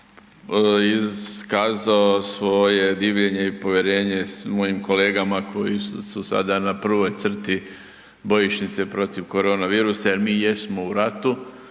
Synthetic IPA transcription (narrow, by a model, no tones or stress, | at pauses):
ikaːzaosʋo̞je̞d̪iːʋʎe̞ɲe̞ipo̞ʋjeɾe̞ːɲe̞smo̞jimko̞le̞ːɡamakʰo̞jisusa̰d̪anapr̩ʋo̞jt̪sr̩t̪i | bo̞jiʃnit̪se̞pɾo̞t̪iʋko̞ɾo̞ːnaʋiːɾusajeɾmiːje̞smo̞uɾat̪u